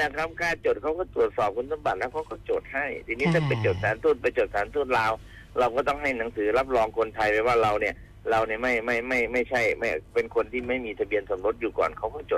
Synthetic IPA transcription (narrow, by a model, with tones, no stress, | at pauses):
la˧˩kʰa˧mkaː˧nt͡ɕoː˨˩t̚ʰa˦˥wkɔː˥˩t̪ɾu˨˩ət̪̚sɔː˨˩p̚kʰu˧˥nsʰa˧˥˦mba˨˩t̪̚lɛː˦˥wkʰa˧˥wkɔː˥˩t͡ɕoː˨˩t̪̚ha˥˩jt̪ʰiː˧niː˦˥t̪ʰɛː˧˥˩p̬a˧jt͡ɕoː˨˩t̪̚saː˨˦nt̪ʰuː˥˩t̪̚pa˧jt͡ɕoː˨˩t̚saː˨˦nt̪ʰuː˥˩t̪̚laː˧w | ɾa˧wkɔː˥˩t̪ɔ˥˩ŋɦa˥˩jna˩˦ŋsɯː˩˦la˦˥p̚lɔː˧ŋkʰo˧nt̪ʰa˧jpɛː˧˩waː˥˩ɾa˧wni˥˩ɐ | ɾa˧wni˧˩ma˥˩jma˥˩jma˥˩jma˥˩jt͡ɕʰa˥˩jma˥˩jpe˧nkʰo˧nt̪ʰiː˥˩ma˥˩jmiː˧t̪ʰa˧bi˧ənso˩˦mɾo˦˥t̪̚juː˨˩kɔ̰ː˨˩nkʰa˦˥wkɔː˥˩t͡ɕoː˨˩